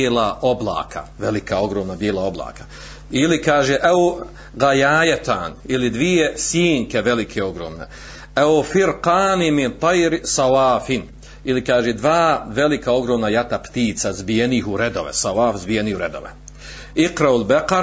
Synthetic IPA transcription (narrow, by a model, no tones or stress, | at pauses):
eːlaʔo̞blˠa̰ːkʰa̰ʋelikao̞ɡɾoːmnabjeːlˠao̞blˠa̰ːkḁ | ilikaːʒeːʔɛo | ɣajaːjet̪a̰ːnilid̪ʋijesiːŋkeʋe̞likʰeo̞ɡɾoːmnḛ | ɛofiɾqaːnimint̪ɑjɾsɑwaːfin | ilikaːʒed̪ʋaːʋe̞likao̞ɡɾoːmnajat̪apt̪iːt̪sazbijeniːɦuɾed̪o̞̰ʋḛsawaːfzbijeniːhuɾe̞d̪o̞̰ʋḛ | iqɾaulbeqaɾ